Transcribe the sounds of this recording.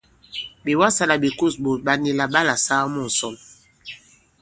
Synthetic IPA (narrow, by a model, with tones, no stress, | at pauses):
bi˨wa˦sa˦la˨bi˨ku˦˨sbo˨t̚ba˦ni˦la˦ba˦la˨sa˦mɔ˦˨n̩˨sɔ˦m